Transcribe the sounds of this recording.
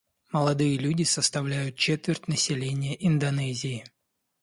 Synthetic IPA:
məlˠɐd̪ɨjəlʲudʲɪsəst̪ɐvlʲæjʊt̪̚t͡ɕet̪vʲɪrʲtʲnəsʲɪlʲenʲɪjəʔɪnd̪ɐnɛzʲɪː

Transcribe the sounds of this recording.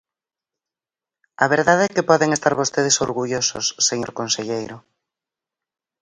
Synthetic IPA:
ɐβ̞eɾðaðeɛkɪpɔðeŋest̪aɾβost̪eð̞ɪso̰ɾɣuʎoso̰sːeɲo̰ɾkonseʎejɾʊ

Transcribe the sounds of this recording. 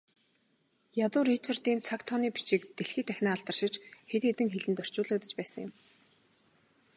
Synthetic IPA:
jat̪ʊːrit͡ɕʰɪrt̪iːnt͡sʰakt̪ʰɔniːpi̥t͡ɕiːkt̪eɬxiːt̪æxʲnaːɮt̪ə̆rʃɪ̆t͡ɕxet̪xet̪ɘ̆ŋxeɮɘ̆nt̪œr̥t͡ɕʊːɮə̆kt̪ə̆t͡ɕpæːsə̆ŋjɪ̰̆m

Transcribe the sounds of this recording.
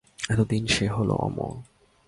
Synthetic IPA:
ɛt̪od̪inʃeɦolo̰ʔɔ̰mo̰

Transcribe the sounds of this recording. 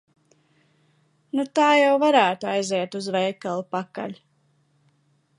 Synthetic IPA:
nut̪aːjawvaɾæːt̪uajzɛɛt̪uzvɛjkalˠupaka̰lʲ

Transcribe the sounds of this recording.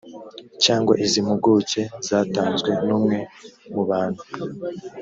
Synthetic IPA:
t͡ʃaːŋɡwa̰ʔizimuɡuce̞zaːtaːnzɡwe̞nuːmŋe̞muβaːnhu

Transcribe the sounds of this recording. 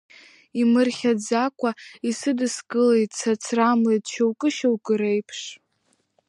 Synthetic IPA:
imɨrχʲad͡zakʷʰʼaisɨdɨsɡɨlejtʼt͡sʰat͡sʰramlejtʼʃawkʼɨʃawkʼɨɾejpʰʂ

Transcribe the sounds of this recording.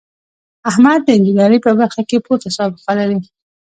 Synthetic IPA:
ahmad̪̚ːəɪnd͡ʒinɑɾipəbaɾxakepot̪asɑbɪqalaɾi

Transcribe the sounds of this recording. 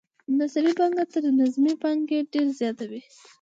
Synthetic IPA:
nasaɾibɑŋɡat̪əɾnazmibɑŋɡeɖeɾzjɑt̪awi

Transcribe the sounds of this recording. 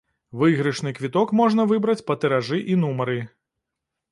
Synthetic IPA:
vɨɣɾɨʂnɨkvʲit̪ɔkmɔʐn̪ɐvɨbɾɐt͡sʲpɐt̪ɛɾaʐɨʔin̪umɐɾɨ

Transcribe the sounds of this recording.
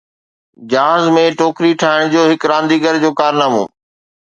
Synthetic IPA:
d͡ʑaːzmẽʈoːkɾiʈʰaːɪɽ̃d͡ʑoːɦɪkɾãːnd̪iːɡəɾd͡ʑoːkaːɾnaːmo̰ː

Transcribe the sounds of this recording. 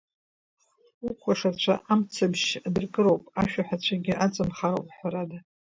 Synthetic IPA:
ukʷʰaʂat͡ɕʷʰa̰ʔamt͡sʰabʃadɨrkʼɨɾo̞wpʼaʃᶣaħʷᶣat͡ɕʷʰaɡʲɪʔat͡sʼɨmχaɾowpʼħʷaɾada

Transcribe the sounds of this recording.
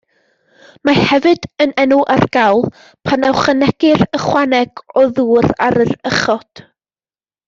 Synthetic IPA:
mahɛvɨdənɛnʊʔarɡ̥awlˠ | pʰanɛwχənɛɡ̥ɪrəχwanɛɡ̥ɔðuːraɾərəχɔd̥

